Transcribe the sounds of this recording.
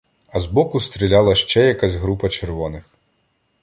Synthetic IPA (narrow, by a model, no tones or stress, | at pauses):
ɐzbɔkʊst̪ɾʲilʲalˠɐʃt͡ʃɛjɐkazʲɦɾupɐt͡ʃerʋɔnɪx